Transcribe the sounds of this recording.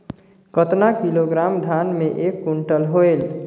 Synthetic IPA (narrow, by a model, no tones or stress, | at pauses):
kət̪nakiloɡɾamd̪ʱanmeʔekːuɳʈəlɦoel